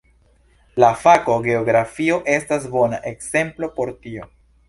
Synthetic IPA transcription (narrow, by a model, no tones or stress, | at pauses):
lafako̞ɡe̞oɡɾafio̞ʔe̞stas̬bo̞naʔe̞kse̞mplo̞po̞ɾtio̞